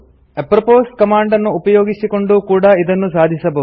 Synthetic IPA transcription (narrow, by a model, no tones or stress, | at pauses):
epɾɐpoːsʈkɐmaːɳɖɐnːuːpɐjoːɡisiko̞ɳɖukuːɽɐid̪ɐnːusaːd̪ʱisɐbɐ